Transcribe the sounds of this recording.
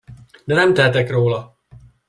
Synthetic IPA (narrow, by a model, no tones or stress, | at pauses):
d̪ɛnɛmt̪ɛɦɛt̪ɛkroːlɒ